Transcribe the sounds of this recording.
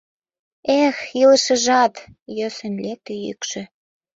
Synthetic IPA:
exilə̆ʃə̆ʒɑt̪jøsə̆nlet̪ejy̰kʃø̆

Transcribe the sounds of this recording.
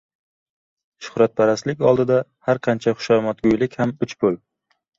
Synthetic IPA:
ʃʊ̥hɾat̪̚pʰaɾaslɪkʲɒlˠd̪ɪd̪ahaɾqʰɑnt͡ʃʰaχʊ̥ʃaɾmɒt̪̚ɡʲʊjlɪkʲhamʊt͡ʃbol

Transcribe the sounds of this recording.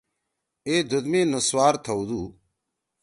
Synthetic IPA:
eːd̪ʱʊd̪mẽːnʊswaːɾt̪ʰəud̪uː

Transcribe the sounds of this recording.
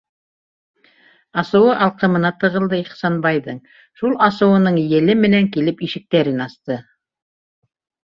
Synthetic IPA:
ɑsɤ̆wɤʔɑlˠqɤ̆mɤ̆nɑt̪ɤ̆ʁɤ̆lˠd̪ɤiχsɑnbɑjðɤɴ | ʃulˠɑsɤ̆wɤ̆nɤɴjɘ̆lɘmɘ̆næŋkilɘpiʃɘ̆k̚t̪æɾɘnɑst̪ɤ

